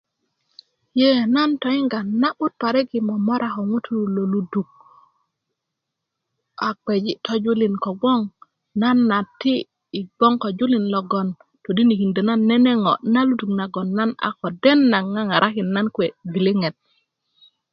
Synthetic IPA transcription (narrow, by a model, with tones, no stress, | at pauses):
je˦na˦nto˨i˦ŋɡa˨nːa˦ɓu˦t̚pa˨ɾe˦ɡi˨mo˨mo˦ɾa˨ko˨ŋu˦tu˦u˨lo˨lu˦du˨k̚ | a˨k͡pe˨d͡ʒi˦tʰo˦d͡ʒu˦li˨nko˨ɡ͡bo˦ŋ | na˦nːa˨tːiː˦˨ | ɡ͡bo˦ŋko˨d͡ʒu˦li˨nlɔ˨ɡo˨n | to˨di˦ni˨hi˨nde˨na˦nːe˦ne˦ŋo˨na˦lu˦du˨kna˨ɡo˨nːa˦na̰˨ko˨de˦nːa˨ŋŋa˦ŋa˨ɾʔa˦ki˨nːa˦nkwe˨vi˨li˦ŋe˨t̚